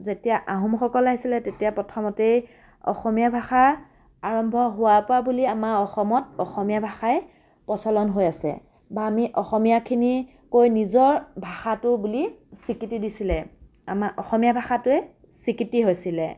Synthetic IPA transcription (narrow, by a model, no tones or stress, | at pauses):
zetijaʔaɦumxɔkɔlaɦisilɛtetijapɹɔtʰɔmɔtej | ɔ̰xɔmijabʱaxa | aɹɔmbʱɔɦʊwapʊabuliamaɹɔxɔmɔtɔxɔmijabʱaxaj | pɔsɔlɔnɦojasɛ̰ | baːmiʔɔxɔmijakʰini | kojnizɔɹbʱaxatʊbulisikitidisilɛ | a̰maʔɔxɔmijabʱaxatʊɛ | sikitiɦojsilɛ